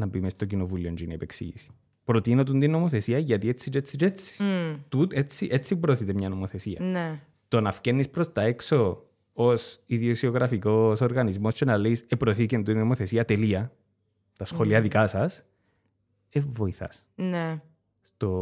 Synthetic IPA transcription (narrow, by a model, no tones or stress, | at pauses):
nɐpimest̪ocinovuliond͡ʒiniepeksḭʝḭsi̥ | pɾot̪inot̪̬und̪inːomoθe̞siɐʝɐt̪iet͡sːit͡ʃet͡sːit͡ʃet͡sːi̥t̪ut̪et͡sːiʔet͡sːipɾoθit̪emɲɐnomoθe̞siɐ̰n | t̪onɐfcenːispɾost̪ɐekso̞ | osiðiosioɣɾɐfikoso̞ɾɣɐnizmo̞scenɐleisepɾoθicend̪uinomoθe̞siɐt̪eliɐ | t̪ɐsxoliɐðikɐsɐs | evoiθɐ̰s | ne | st̪o̞